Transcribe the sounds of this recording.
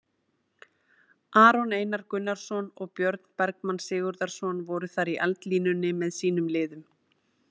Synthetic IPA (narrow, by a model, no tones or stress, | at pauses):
ʔaːɾɔneːjnaɾkʏnːaɾ̥sɔnɔɣpjœɾt̪n̥pɛɾkmanːsɪːɣʏɾðaɾ̥sɔnvɔɾʏθaɾiʔalt̪liːnʏnːɪmɛðsiːnʏmlɪːðʏm